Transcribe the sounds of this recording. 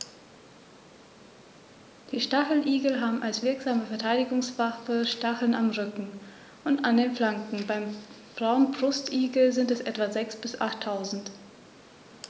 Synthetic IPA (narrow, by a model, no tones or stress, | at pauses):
d̥iːʃtaχl̩ʔiːɡl̩ɦaːbm̩ʔalsv̥ɪɐkz̥aːməfɛɐtʰaɪdɪɡʊŋsv̥afəʃtaχl̩namʁʏkŋ̩ | ʔʊntandeːnflaŋkŋ̩baɪm | b̥ʁaʊənbʁʊstʔiːɡl̩zɪntɛsʔɛtv̥azɛksb̥ɪsʔa̰χtʰːaʊzn̩t